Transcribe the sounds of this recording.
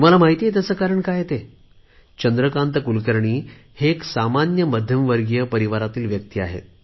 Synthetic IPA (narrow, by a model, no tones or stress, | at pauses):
m̤alamaɦit̪ijet̪̬əsəːkaɾəɳkajet̪e | t͡ɕənd̪ɾəkant̪əkulkəɾɳiːheksamanjəməd̪ʱjəmʋəɾɡjəpəɾiʋaɾat̪iːlʋjəkt̪iːa̰ɦḛ